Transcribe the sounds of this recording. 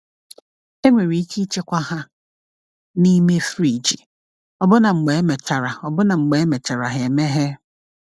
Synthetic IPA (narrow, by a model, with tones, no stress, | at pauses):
e˦ŋʷe˨ɾi˨i˦ki˦i˦t͡ʃe˦kʷa˦ɦa˦ | ni˦me˦fɾi˨d͡ʒi˨ | ɔ˦bʊ˦na˨ŋ͡m̩˨ɡ͡be˨e˦me˨t͡ʃa˨ɾa˨ɔ˨bʊ˦na˨ŋ͡m̩˨ɡ͡be˨e˦me˨t͡ʃa˨ɾa˨ɦe˨me˦ɦe˦